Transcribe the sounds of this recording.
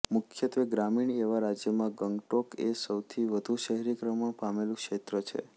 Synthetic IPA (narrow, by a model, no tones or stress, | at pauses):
mʊkʰjət̪ʋeɡɾamiɳeʋaɾad͡ʒjəmãɡəŋɡʈokesəwt̪ʰiʋəd̪ʱuʃəɦɾikɾəməɳpamelũkʃet̪ɾət͡ʃʰḛ